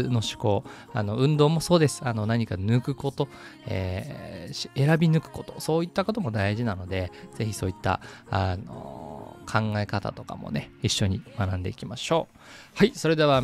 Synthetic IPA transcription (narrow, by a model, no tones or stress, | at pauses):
no̞ɕi̥ko̞ː | ano̞ɯ̟̃nd̪o̞ːmo̞so̞ːd̪e̞sɨ̥ano̞naɲ̟ikanɯ̟kɯ̟ko̞t̪o̞ | ḛː | e̞ɾabʲinɯ̟kɯ̟̥ko̞t̪o̞so̞ːit̪ːako̞t̪o̞mo̞d̪aiʑinano̞d̪e̞z̥e̞çiso̞ːit̪ːa̰ano̰ːkʰãŋɡae̞kat̪a̰t̪o̞ka̰mo̞̰ne̞iɕːo̞ɲ̟imanãnd̪e̞̰ikʲimaɕo̞ː | haiso̞ɾe̞d̪e̞βa